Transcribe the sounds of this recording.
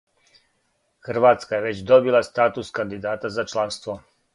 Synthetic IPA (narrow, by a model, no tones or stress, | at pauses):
xr̩ʋaːt̪skajeʋe̞t͡ɕd̪o̞bilˠast̪aːt̪uskand̪id̪aːt̪azat͡ʃlˠanst̪ʋo